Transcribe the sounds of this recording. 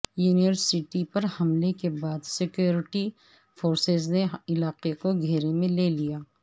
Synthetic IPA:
juːnijəɾsɪʈipɐɾhɐmlekebaːd̪sɪkjoːɾɪʈi | foːɾsezneɪlaːqekoɡʱeːɾemẽleːlijaː

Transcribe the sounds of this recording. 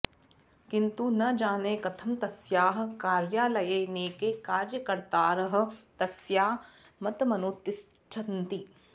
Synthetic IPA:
kɪ̃nt̪unɐd͡ʒaːneːkɐt̪ʰɐmt̪ɐsjaːɦkaːɾjaːlɐjeːneːkekaːɾjəkɐɾt̪aːɾɐɦɐ̆t̪ɐsjaːɦ | mɐt̪ɐmɐnoːt̪ɪs | t͡ʃʰɐnt̪i

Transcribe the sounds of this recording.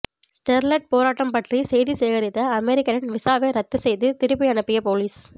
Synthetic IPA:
sʈɛɾlɐʈ̚poːɾaːʈːɐmpɐʈrisɛjðiseːɣɐɾɪt̪ːɐɐmɛɾɪkːɐnɪnʋɪsaːʋeːɾɐt̪ːɯsɛjðɯt̪ɪɾɯpːɪɐnɐpːɪjɐpoːliːs

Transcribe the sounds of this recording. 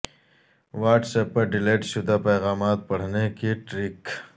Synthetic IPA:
ʋaːʈsɛpːɐɾɖɪleːʈʃʊd̪apɛːɣaːmaːt̪̚pɐɽ̤nekeʈɾɪk

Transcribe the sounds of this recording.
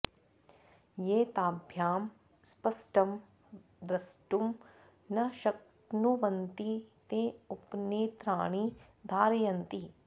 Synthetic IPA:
jeːt̪aːbʱjaːm | spɐsʈɐm | d̪ɾɐsʈum | nɐʃɐk̚ | nuʋɐnt̪it̪eːupneːt̪ɾaːɳi | d̪ʱaːɾjɐnt̪i

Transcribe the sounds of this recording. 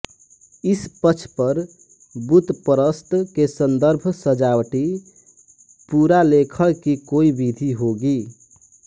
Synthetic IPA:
ispət͡ʃʰpəɾ | but̪pəɾəst̪kesənd̪əɾbʱsəd͡ʒawʈi | puɾalekʰəlkikoibid̪ʱiɦoɡi

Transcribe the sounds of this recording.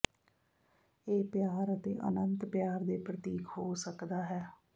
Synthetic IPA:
eːpɪjaːɾət̪ḛːʔə̰nənt̪pjaːɾd̪eːpɾət̪iːkɦoːsəkd̪aːɦɛː

